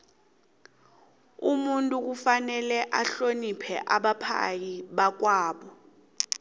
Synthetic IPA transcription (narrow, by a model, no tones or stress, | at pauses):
umuntʼuk̬ufanɛlɛʔaɬonipʰɛʔaɓapʰa̰jiɓak̬waːɓɔ